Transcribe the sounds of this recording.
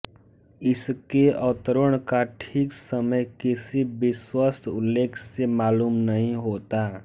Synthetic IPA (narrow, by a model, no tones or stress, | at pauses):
ɪskeɔːt̪ɾʊɽ̃kaʈʰiːksəməjkɪsibɪswəst̪ʰʊ̰lːeːkʰsemaːluːmnəɦĩɦoːt̪a